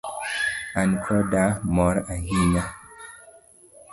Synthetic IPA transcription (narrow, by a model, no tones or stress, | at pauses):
ankʰɔdamɔɾahiɲa